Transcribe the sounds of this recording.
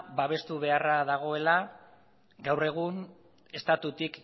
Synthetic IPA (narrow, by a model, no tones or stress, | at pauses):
baβ̞e̞st̪uβe̞araðaɣ̞o̞e̞la | ɡawre̞ɣ̞un | e̞st̪at̪ut̪ik